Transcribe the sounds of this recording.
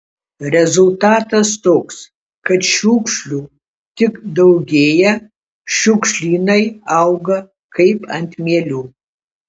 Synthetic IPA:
rezultʰaːtʰɐstʰʼokʷʼs | kʰɐtʰʃukʷʰʂɬu | tʰɨkʼdowɡʲejɐ | ʃukʷʂɬinɐjawɡɐ | kʰejpʼɐ̰ntʰmelʲu

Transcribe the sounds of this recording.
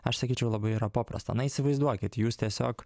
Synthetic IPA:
ɐʃsɐkʲiːt͡ʃʲɛʊlˠɐbɐɪiːɾɐpoːpɾɐ̰st̪ɐ̰nɐiːsʲɪʋɐɪzd̪uɔkʲɪt̪juːst̪ʲiɛsʲoːk

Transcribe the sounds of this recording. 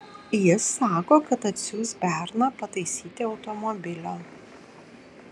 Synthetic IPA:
jɪsːɑːkoːkɐt̪ɐt̪ʲsʲuːsbʲæˑɾnɐpɐt̪ɐɪsʲiːt̪ʲɪɒʊt̪ɔmɔbʲɪlʲoː

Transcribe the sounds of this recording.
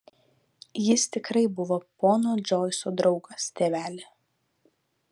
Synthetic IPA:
jɪst̪ʲɪkɾɐɪbʊʋoːpoːnoːd͡ʒʲoːɪsoːd̪ɾɒʊɡɐst̪ʲeːʋʲæːlʲe

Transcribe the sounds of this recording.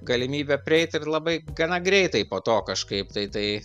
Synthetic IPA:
ɡɐlʲɪmʲiːbʲɛpʲɾʲɪɛɪt̪ɪrlˠɐbɐɪɡɐnɐɡɾʲɛɪt̪ɐɪpoːt̪oːkɐʃkɐɪp̚t̪ɐɪt̪ɐɪ

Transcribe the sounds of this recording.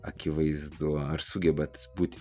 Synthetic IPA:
ɐkʲɪʋɐɪzd̪uɔɐɾsʊɡʲɛbɐt̪buːt̪ʲ

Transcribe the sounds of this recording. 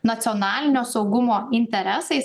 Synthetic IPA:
nɐt̪sʲɔːnɑːlʲɪnʲoːsɒʊɡʊmoːɪnʲt̪ʲɛɾʲɛsɐɪ

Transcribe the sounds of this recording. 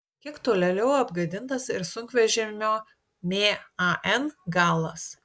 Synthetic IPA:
kʲiɛkt̪oːlʲɛlʲɛʊɐbɡɐd̪ʲɪnt̪ɐsɪɾsʊŋʲkʋʲɛʒʲɪmʲoː | mʲeːɐʔɛnɡɑːlˠɐs

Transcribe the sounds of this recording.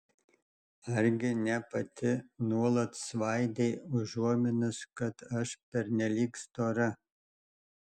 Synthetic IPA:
ɐɾʲɡʲɪnʲɛpɐt̪ʰʲɪnuɔlˠɐt̪sʋɑjd̪ʲeɪʊʒuɔmʲɪnʊskɐt̪ɐʃpʲɛɾʲnʲɛlʲiːkst̪oːɾɐ

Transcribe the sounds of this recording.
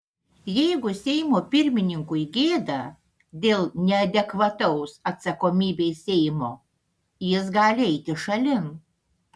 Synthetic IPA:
jɛɪɡʊsʲɛɪmoːpʲɪɾʲmʲɪnʲɪŋkʊɪɡʲeːd̪ɐ | d̪ʲeːlˠnʲɛɐd̪ʲɛkʋɐt̪ɐʊsɐt̪sɐkoːmʲiːbʲeɪsʲɛɪmoː | jɪs̬ɡɑːlʲɪɛɪt̪ʲɪʃɐlʲɪn

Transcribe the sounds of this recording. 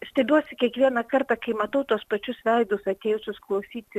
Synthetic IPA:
sʲt̪ɐɪbʲuɔsʲɪkʲiɛkʋʲiɛnɐkɐrt̪ɑkɐɪmɐt̪ɐʊt̪uɔspɐt͡ʃʲʊsʋʲɛɪd̪ʊsɐt̪ʲeːjʊsʲʊsklˠɐʊsʲiːt̪ʲ

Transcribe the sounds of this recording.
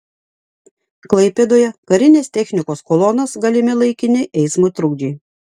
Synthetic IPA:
klˠɐɪpʲed̪oːjɛkɐɾʲɪnʲeːsʲt̪ʲɛxʲnʲɪkoːskɔlˠɔnɐsɡɐlʲɪmʲɪlˠɐɪkʲɪnʲɪʔɛɪsmoːt̪ɾʊɡd͡ʒʲiː

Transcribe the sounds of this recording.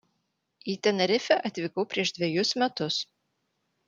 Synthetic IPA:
iːt̪ʲɛnɐɾʲɪfʲɛʔɐt̪ʲʋʲɪkɔʊpʲɾʲiɛʃd̪ʲʋʲɛjʊsmʲɛt̪ʊs

